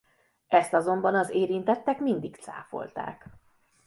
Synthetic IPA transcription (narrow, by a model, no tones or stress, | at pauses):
ɛst̪ɒzo̞mbɒnɒzeːɾint̪ɛt̪ːɛkmind̪ikt̪sa̰ːfo̞̰lt̪a̰ːk